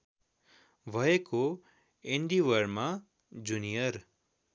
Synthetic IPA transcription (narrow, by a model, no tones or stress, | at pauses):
bʱʌeko | eɳɖiwʌɾma | d͡zunijʌr